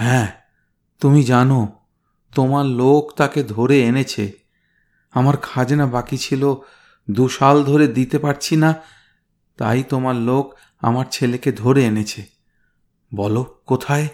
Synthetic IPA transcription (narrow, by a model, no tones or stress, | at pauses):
ɦɛ̃ | t̪umid͡ʑano | t̪omaɾlokt̪aked̪ʱoɾeenet͡ɕʰe | amaɾkʰad͡ʑenabakit͡ɕʰilo | d̪uʃald̪ʱoɾed̪it̪epaɾt͡ɕʰina | t̪a̰jt̪omaɾlok | a̰maɾt͡ɕʰeleked̪ʱoɾeenet͡ɕʰe | bɔlokot̪ʰae